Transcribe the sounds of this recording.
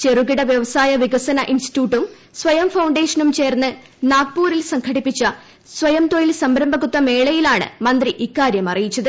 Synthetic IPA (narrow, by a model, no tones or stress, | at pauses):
t͡ɕe̞ruɣiɽɐʋjɐʋɐsaːjɐʋiɡɐsɐnɐʔinsti̥tjuːʈːum | sʋɐjɐmfɐwɳɖe̞ːʂɐnumt͡ɕe̞ːrnːɨ | naːk̚puːɾilsɐŋkʰɐɽipːit͡ɕːɐ | sʋɐjɐmt̪ojilsɐmbɾɐmbʱɐɣut̪ːɐme̞ːɭɐjilaːɳɨ̰mɐnd̪riʔikːaːɾjɐmɐrijit͡ɕːɐðɨ